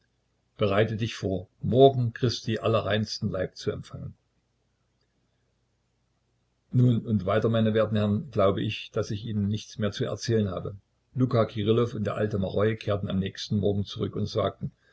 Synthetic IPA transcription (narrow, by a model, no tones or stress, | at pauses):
b̥əʁaɪtədɪçfoːɐmɔɐɡŋ̩kʁ̥ɪstiːʔalɐʁaɪnstn̩laɪp̚t͡suɛmfaŋən | nuːnʊntv̥aɪtɐmaɪnəveːɐtn̩hɛɐʁənɡ̥laʊbəʔɪçd̥asɪçʔiːnənːɪçt͡smeːɐt͡suɛ̰ɐt͡sɛːlənha̰ːbə | luːkakʰiʁɪlɔfʊntd̥eːɐʔa̰ltəmaʁɔʏkʰeːɐtn̩a̰mnɛːçstn̩mɔɐɡŋ̩t͡suʁʏkʊntz̥a̰ːk̚tn̩